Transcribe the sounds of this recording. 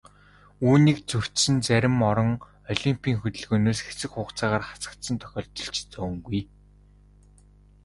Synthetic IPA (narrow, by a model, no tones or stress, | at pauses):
uːniːkt͡sɵw̥t̪sɘ̆nt͡sæɾʲɪ̆mɔɾɞ̆ŋ | ɔɮʲimpʲʰiːŋxɵt̪ɘ̆ɮɣɵːnoːsxe̥t͡sɘ̆kχʊːqt͡saːʁaːrχḁt͡sə̥̆kt̪sə̆nt̪ʰœ̥xʲɔːɮt̪ɞ̆ɬt͡ɕt͡sɔ̆ːŋɡuj